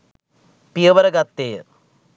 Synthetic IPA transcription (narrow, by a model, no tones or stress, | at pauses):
pijɐʋɐɾɐɡɐt̪ːeː